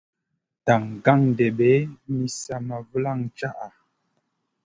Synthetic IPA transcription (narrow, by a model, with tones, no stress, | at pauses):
ta˨ŋ˨ɡa˦˨ŋn˨dɛ˨ɓɛ˨˦mi˦sa˨ma˨və˦la˦˨ŋt͡ʃa˦ʔa˨